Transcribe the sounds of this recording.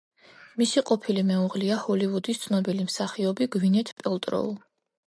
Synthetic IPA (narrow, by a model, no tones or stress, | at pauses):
misiqʼɔpʰilimɛuʁliahɔlivud̪ist̪sʰnɔbilimsaχiɔbiɡvinɛt̪ʰpʼɛlt̪ʼɾɔ̰ṵlˠ